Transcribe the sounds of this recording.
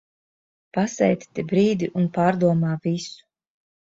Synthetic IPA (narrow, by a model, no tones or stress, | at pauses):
pasɛ̰jt̪t̪ibɾiːd̪iʔunpaːɾd̪uɔmaːvisu̥